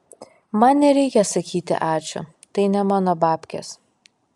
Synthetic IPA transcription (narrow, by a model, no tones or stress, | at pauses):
mɐnnʲɛɾʲɛɪkʲɛsɐkʲiːt̪ʲɪ̰ʔɑːt͡ʃʲʊ̰ | t̪ɐɪnʲɛmɑːnoːbɑːpʲkʲḛs